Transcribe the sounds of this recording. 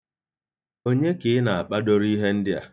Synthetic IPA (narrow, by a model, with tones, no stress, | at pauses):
o˦ɲe˦kɪ˨ɪ˦na˨a˨k͡pa˦do˦ɾi˦ɦe˦n̩˦dɪ˦a̰˨